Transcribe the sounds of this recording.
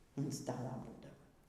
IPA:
ɐn ˈstɑːlˠɐ ˈbuːdɐʋɐ

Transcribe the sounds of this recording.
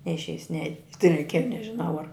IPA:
nʲɛɪʃʲˈɛɪs nʲɛ tɐɪ rʲɛɪˈkʲiɛjɛ nʲɛʒʲɪˈnɐʊ ɐr

